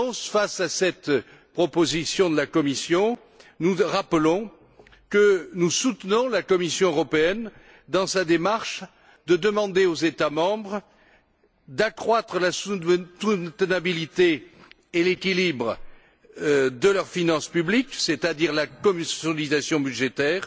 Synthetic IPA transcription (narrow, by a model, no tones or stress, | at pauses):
sfasasɛt̪ | pχɔpozisjɔ̃d̪əlakɔmisjɔ̃ | nuʁapəlɔ̃ | kənusut̪nɔ̃lakɔmisjɔ̃øʁɔpeɛn | d̪ɑ̃sad̪emaʁʃ | d̪əd̪əmɑ̃d̪eozet̪amɑ̃bʁ | d̪akχwat̪χəlassut̪ənabilit̪e | elekʲilibʁ | d̪əlœʁfinɑ̃spyblikset̪ad̪iʁlakɔmɔlizasjɔ̃byʒet̪ɛːʁ